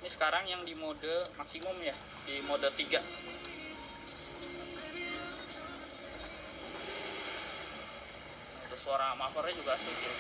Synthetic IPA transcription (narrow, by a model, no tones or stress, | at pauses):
nisə̥kaɾaŋjaŋdimodəmaksimʊmja | dimodət̪iɡaʔ | ut̪ʊsoɾaŋamafɔɾad͡ʒuɡasʊd͡ʒ